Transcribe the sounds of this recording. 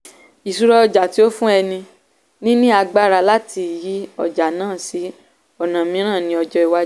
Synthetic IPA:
i˨su˨ɾɔ˧ɔ˧d͡ʒa˨ti˦o˦fũ˦ɛ˧nĩ˧ | nĩ˦nũ˦a˧ɡ͡ba˦ɾa˧la˦ti˧˨ji˨˦ɔ̰˦˨d͡ʒa˨nãː˦˨si˨˦ | ɔ˨nã˨mĩ˨˦ɾ̃ãː˦˨nĩ˧˦ɔ˧d͡ʒɔ˧˦i˨wa˦

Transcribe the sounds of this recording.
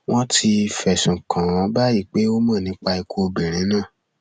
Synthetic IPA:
wɔ̃˦ti˧fɛ˨sũ˨kʰã˨ɔ̃˨˦ba˦ji˦˨k͡pe˨˦o˦mã˦˨nĩ˨˦k͡pa˧i˧kʰo˧o˧bĩ˨ɾ̃ĩ˨˦nãː˦˨

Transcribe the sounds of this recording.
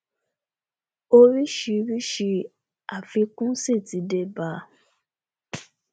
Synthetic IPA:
o˧ɾi˦ʃi˧ɾi˦ʃi˧ | a˨fi˧kũ˦si˦˨ti˨˦de˧˦ba˨˦

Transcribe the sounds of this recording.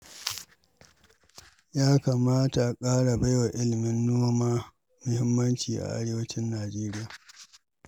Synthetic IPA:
jaː˦kaː˨maː˦ta˨kʼaː˦ɽa˨ba˦jwa˨ʔɪ˦lɪ˨mɪ˦nːoː˦maː˦ | mʊ˦hɪ˦mːɐ˦nt͡ʃiː˨ʔa̰˨ʔa̰˦ɽeː˦wɐ˦t͡ʃɪ˦nːaː˨d͡ʒeː˦ɾɪ˦jaː˨

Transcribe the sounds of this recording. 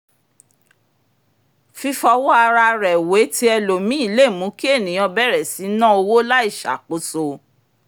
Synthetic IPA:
fi˧fɔ˧wɔ˦a˧ɾa˧ɾɛ˨we˨˦ti˦ɛ˧lo˨mĩ˦i˦˧˦le˦˨mũ˨˦ki˦e˦˨nĩ˨ɔ̃˧bɛ˦˨ɾɛ˨si˨˦nã˦o˧wo˦la˦i˦˨ʃa̰˨k͡po˨˦so˧

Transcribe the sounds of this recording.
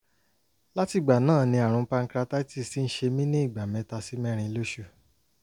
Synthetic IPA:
la˦ti˧˨ɡ͡ba˨nãː˦˨nĩ˧a˨ɾ̃ũ˨˧pa˧ŋ̩˧kɾa˧ta˦i˦ti˦˨si˦n̩˦ʃe˧mĩ˦nĩ˦i˦˨ɡ͡ba˨mɛ̃˨˦ta˧si˦mɛ̃˦ɾ̃ĩ˧lo˦ʃu˦˨

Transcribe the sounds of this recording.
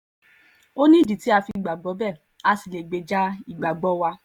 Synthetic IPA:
o˦nĩ˦˨di˨ti˨˦a˧fi˧˨ɡ͡ba˨ɡ͡bɔ˨˦bɛ˦˨ | a˧si˨le˨ɡ͡be˨˦d͡ʒa˦i˦˨ɡ͡ba˨ɡ͡bɔ˨˦wa˧

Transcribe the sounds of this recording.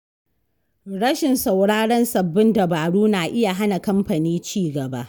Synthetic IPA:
ɽɐ˦ʃɪ˨nsa˨wɽaː˦ɽɐ˦nsɐ˨bːɪ˦ndɐ˨baː˨ɽuː˦naː˨ʔɪ˦ja˨ɦa˦na˨kɐ˦mɸa˨niː˦t͡ʃiː˦˨ɡɐ˨ba̰˦ʔ

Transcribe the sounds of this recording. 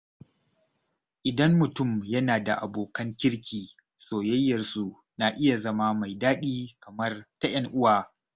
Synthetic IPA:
ʔɪ˨dɐ˦mːʊ˨tʊ˦mjɐ˦naː˨da̰˨ʔa˨boː˨kɐ˦ŋkʲɪ˦ɽkʲiː˨ | soː˨jɐ˦jːɐ˨rsu˨ | na˨ʔɪ˦ja˨zɐ˦ma˦ma˨jdaː˦ɗiː˦kɐ˨mɐ˦rta˦j̰ɐ˦ŋʔʊ˦waː˨

